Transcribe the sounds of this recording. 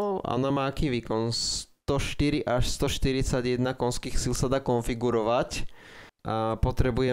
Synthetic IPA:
a̰ɔ̰namaːakiːʋiːkɔnst̪ɔʃt̪iɾiʔaʃst̪ɔʃt̪iɾit͡saɟjɛd̪nakɔnskiːxsilsad̪aːkɔnfiɡuɾɔʋac | pɔt̪ɾɛbujɛ

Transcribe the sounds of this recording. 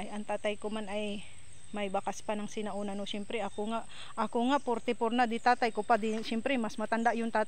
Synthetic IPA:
ʔajʔɐŋt̪aːt̪ajkomanaj | mɐjbakaspanɐŋsɪnaʔonanosɛmpɾɛʔakoŋaʔ | ʔɐkoŋaʔpoɾt̪ɛpoɾnad̪ɪt̪aːt̪ajkopad̪ɪʃɛmpɾɛmasmɐt̪and̪aʔjʊŋt̪aːt̪

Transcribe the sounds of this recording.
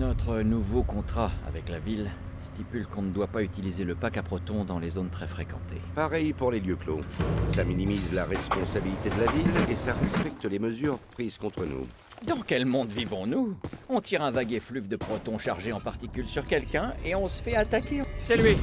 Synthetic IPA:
nɔt̪χənuvokɔ̃t̪χaa̰vɛklavil | st̪ipylkɔ̃nəd̪wapayt̪ilizeləpakapχɔt̪ɔ̃d̪ɑ̃lezont̪χɛfχekɑ̃t̪ʰepaʁɛjpuʁleljøklo̰saminimizlaʁɛspɔ̃sabilit̪ed̪əlavilesaʁɛspɛk̚t̪leməzyʁpχizkɔ̃t̪χənṵ | d̪ɑ̃kʲɛlmɔ̃d̪vivɔ̃nuɔ̃t̪iʁɛ̃vaɡeflyvd̪əpχɔt̪ɔ̃ʃaʁʒeɑ̃paʁt̪ikʲylsyʁkʲɛlkʲɛ̃eɔ̃sə̥fɛat̪akʲesɛlɥi

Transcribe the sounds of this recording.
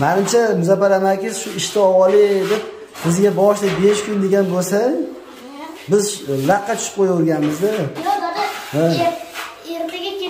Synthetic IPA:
manɪmt͡ʃʰamɪzapaɾanakʲɪzʃʊɪʃt̪ʰɪɒwɒlɪed̪ɪp̚ | bɪzɡʲabɒʃlɪkʲbeʃkʲʰʊnd̪e̞ɡʲanbolsa | bɪzlaqʰːɑt͡ʃʰʊ̥ʃɪ̥p̚qʰojaʊɾˠɡʲanmɪzd̪ɪ | ha | eɾt̪ʰaɡʲa

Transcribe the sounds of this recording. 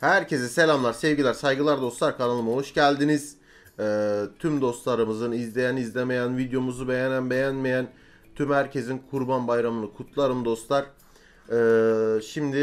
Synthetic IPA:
hæɾcʰe̞zɛse̞lʲamlˠaɾsɛvɟilʲæɾsajɡɯlˠaɾd̪o̞st̪lˠaɾkʰanalˠɯmaɦoʃɟælʲd̪iniz̥ | ɛːt̪ʰymd̪o̞st̪lˠaɾɯmɯzɯnizlʲe̞jænizlʲeme̞jænvid̪jo̞muzube̞jenænbe̞jænme̞jæn | t̪ʰymhæɾcʰe̞zinkʰuɾbanbajɾamɯnɯkʰut̪ʰlˠaɾɯmd̪o̞st̪lˠaɾ̥ | ɛːʃimd̪ɪ

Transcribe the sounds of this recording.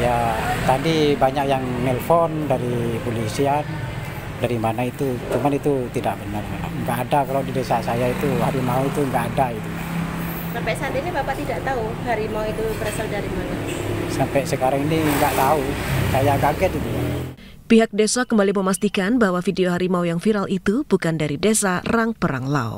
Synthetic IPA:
jat̪adibaɲak̚jaŋmɛlfɔndaɾipolisian | daɾimanait̪ut͡ʃumanit̪ut̪idaʔbənarkana̰ŋɡaʔːdakalawdidesasajait̪uhaɾimauit̪uŋɡaʔːdait̪u | sampɛsand̪inibapaʔt̪idaʔt̪au | haɾimauit̪ubəɾasaldaɾimanasampɛsəkaɾaŋiniŋɡaʔt̪ausajaɡaɡɛt̪̚it̪u | piɦak̚desakəmbaliməmast̪ikanbawafideoɦaɾimaujaŋfiɾalit̪ub̥ukandaɾidesaraŋpəɾa̰ŋla̰o̰

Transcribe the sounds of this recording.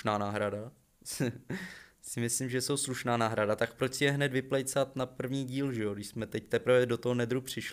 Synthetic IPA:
naːnaːɦɾada | sɪmɪslɪmʒɛso̞wsluʃnaːnaːɦɾadat̪akpɾo̞t͡ʃsɪjɛɦnɛd̪vɪplɛjt͡sat̪napr̩vɲiːɟiːlʒɛjoɡdɪʃsmɛt̪ɛc̚t̪ɛpɾvɛdo̞t̪oɦonɛd̪ɾupr̝̥ɪʃl

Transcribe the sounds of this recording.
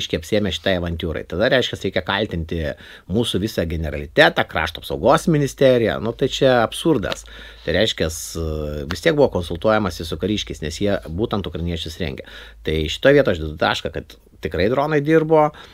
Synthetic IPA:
ʃʲkʲɛɪɐpʲsʲieːmʲɛʃʲɪ̥t̪ɑɪɐʋɐnʲt̪ʲjuːɾɐ̰ɪt̪ɐd̪ɐɾʲɛɪʃʲkʲɛsɾɛɪkʲɛkɐlʲt̪ʲɪnʲt̪ʲɪ | muːsuʋʲɪsɑɡʲɛnʲɛɾɐlʲɪt̪ʲæːt̪ɑːkɾɑ̰ːʃt̪oːpsɐʊɡoːsmʲɪnʲɪsʲt̪ʲæɾʲɪjɛ̰nʊt̪ɐɪt͡ʃʲɛɐpsurd̪ɐ̰s | t̪ɐɪɾʲɛɪʃʲkʲɛsʋʲɪst̪ʲiɛk̚buʋoːkoːnsʊlˠt̪uɔjɛmɐsʲɪsʊkɐɾʲiːʃʲkʲɛɪsnʲɛsjiɛbuːt̪ɐnt̪ʊkɾɐɪnʲiɛt͡ʃʲʊsɾʲɛ̰ŋʲɡʲɛ̰t̪ɐɪʃʲɪ̥t̪oːjʋiɛtojʒd̪ʲɪd̪t̪ɑ̰ːʃkɐkɐt̪ | t̪ʲɪkrɐɪd̪ɾoːnɐɪd̪ʲirboː

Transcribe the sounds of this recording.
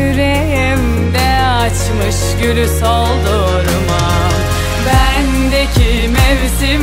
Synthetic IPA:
yɾejim | d̪ɛ | at͡ʃmɯʃ | ɟylysolˠd̪u | ɾuma | bæ | nd̪ecʰi | mevzi

